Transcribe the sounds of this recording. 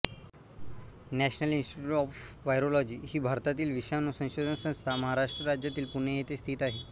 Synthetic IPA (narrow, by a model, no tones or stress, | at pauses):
næɕnəlinsʈiʈuːʈɔfʋajɾolɔd͡ʑiːhiːbʱaɾt̪at̪iːlʋiɕanosə̃w̃ɕod̪ʱənsə̃w̃st̪ʰaməɦaɾaʂʈɾəɾad͡ʑjat̪iːlpuɳejet̪est̪ʰiːt̪aɦe